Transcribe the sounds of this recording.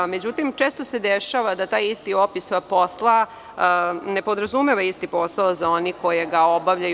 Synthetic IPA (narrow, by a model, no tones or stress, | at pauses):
me̞d͡ʑut̪imt͡ʃe̞ːst̪o̞se̞d̪eʃaʋad̪at̪aːjist̪io̞pispo̞slˠa | ne̞po̞d̪ɾazume̞ʋaist̪ipo̞saozao̞niko̞je̞ɡao̞baʋʎaj